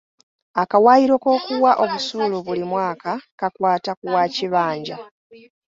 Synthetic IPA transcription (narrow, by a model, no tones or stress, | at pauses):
akawaːiɾo̞ko̞ːkuwaʔo̞βusuːluβulimwaːkakakwaːtakuwaːciβaːɲɟa